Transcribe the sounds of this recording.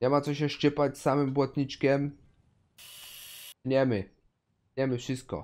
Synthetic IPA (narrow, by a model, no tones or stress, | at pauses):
ɲɛmat̪sɔɕ̬ɛʂt͡ʂɘpat͡ɕsːamɘmbwɔt̪ɲit͡ʂkʲɛm | ɲɛmɘ | ɲɛmɘfʂɨst̪̚kɔ̰